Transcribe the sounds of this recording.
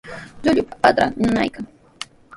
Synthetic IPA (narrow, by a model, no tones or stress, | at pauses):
ʎʊʎʊpḁpad̪ɾa̰ɪnʊna̰jkaŋ